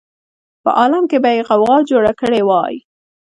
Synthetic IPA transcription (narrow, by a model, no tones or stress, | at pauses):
pə̰ʔɑlamkebajeɣawɣɑd͡ʒoɽakəɽewɑj